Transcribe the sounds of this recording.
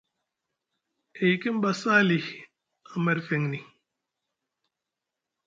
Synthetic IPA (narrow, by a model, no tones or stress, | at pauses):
ejkimbɐsaːlih | ɐmɐɾfeŋni